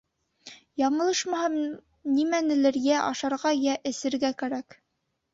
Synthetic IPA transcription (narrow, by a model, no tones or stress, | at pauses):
jɑmɤ̆lˠɤʃmɑhɑm | nimænɘ̆lɘ̆ɾjæʔɑ̰ʃɑɾʁɑjæʔɘ̆sɘ̆ɾɡækæɾæk